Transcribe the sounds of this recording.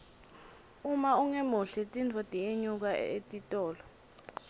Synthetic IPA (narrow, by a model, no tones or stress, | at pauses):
umauŋemuɬɛtʼint͡fʰɔtʼieɲuk̬aḛtʼitʼɔːlɔ